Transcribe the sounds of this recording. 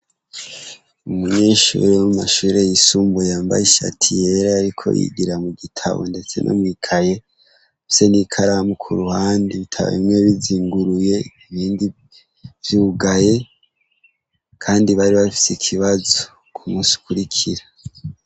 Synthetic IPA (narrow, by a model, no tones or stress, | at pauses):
umuɲeːʃṵɾenumaʃuːɾe̞jisuːmbujaːmba̰jiʃa̰tʰije̞ɾaaɾikʰo̞̰jḭɡiɾamuɡitʰa̰βo̰nde̞t͡se̞̰nʔo̰mwikʰaje̞ | fisenikʰaɾamukʰuɾuhaːndiβitʰa̰β̰ḭmŋeβiziːŋɡuɾuje̞iβiːndi | vjuːɡaje̞ | kʰaːndiβaɾiβafi̥sikʰiβazo̞ | kʰumuːsi̥u̥kuɾikʰiɾa